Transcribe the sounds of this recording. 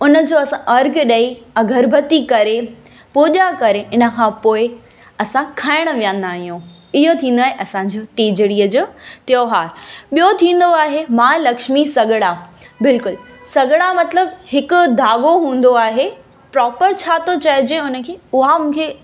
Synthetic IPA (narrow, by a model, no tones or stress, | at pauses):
ʊnə̆d͡ʑoːɐsãʔɐɾɡʱɗɐiɐɡʱɐɾbʱɐt̪ikɐɾe | puːʄakɐɾeʔɪnə̆kʰãpoːɪ | ɐsãkʰaːɪɽ̃̆ʋijə̃nd̪aːɦijũ | ɪɦot̪ʰĩːn̆d̪aːɦeʔɐsãd͡ʑiːʈiːd͡ʑɽiːəd͡ʑoːt̪joːɦaːɾɓijot̪ʰĩːn̆d̪oaːɦemãːlɐkʃmisɐɡɪɽabɪlkʊlsɐɡɽ̃amɐt̪ləb̚hɪkʊ̆d̪ʱaːɠoɦũːn̆d̪oaːɦe | pɾɔːpəɾt͡ɕʰaːt̪ot͡ɕɐɪd͡ʑeʊnə̆kʰeːʊɦamũːkʰe